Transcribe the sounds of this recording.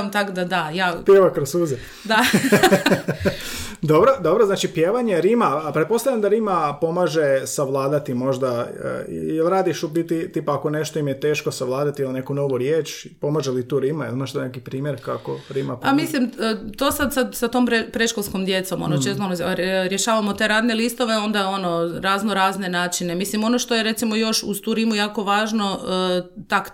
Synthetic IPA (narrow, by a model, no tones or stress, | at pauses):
mt̪akd̪ad̪ajaːpjeʋakɾosuze | d̪a | d̪obɾod̪obɾoznaːt͡ʃipjeːʋaɲeɾimapɾet̪po̞st̪alʎʲamd̪aɾimapo̞maːʒesaʋlˠaːd̪at̪imo̞ʒd̪a̰ | jelˠɾaːd̪iʃubit̪it̪ipaako̞neʃt̪oimjet̪e̞ːʃkosaʋlˠaːd̪at̪iilnekunoʋuɾjeːt͡ʃpo̞maʒelit̪uːɾimajelimaʃt̪ojnekipɾiːmjeɾkakoɾimapamislimt̪o̞ːsad̪sad̪sat̪ompɾepɾeʃkolˠskomd̪je̞t̪so̞mo̰not͡ʃest̪onoɾjeʃaːʋamo̞t̪e̞ɾaːd̪nelist̪o̞ʋe̞o̞nd̪ao̞no̞ɾaːznoɾaːzne̞naːt͡ʃine̞mislimo̞noʃt̪o̞jeɾe̞t̪simo̞jo̞ʃuz̥t̪uːɾimujaːko̞ʋaːʒno̞ | t̪ak